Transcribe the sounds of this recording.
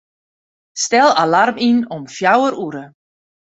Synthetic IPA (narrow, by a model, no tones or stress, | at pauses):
stɛlˠalarminɔmfjawəɾuɾə